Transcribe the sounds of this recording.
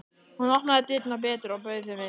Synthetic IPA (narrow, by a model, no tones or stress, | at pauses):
hunɔknaðɛt̪ɪt̪nap̬ɛːt̪ɾawpœɥθɪmɪ